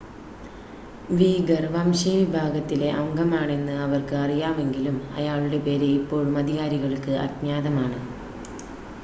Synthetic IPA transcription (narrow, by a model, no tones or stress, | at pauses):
ʋiːɡɐrʋɐmɕiʋibʱaːɡɐt̪ːile̞ʔɐŋɡɐmaːɳe̞nːɨɐʋɐrkɨɐrijaːme̞ŋɡilumɐ̰jaːɭuɽe̞pe̞ːɾeipːo̞ːɻumɐd̪ʱiɣaːɾiɣɐɭkːɨʔɐ̰d̪mjaːd̪ɐmaːɳɨ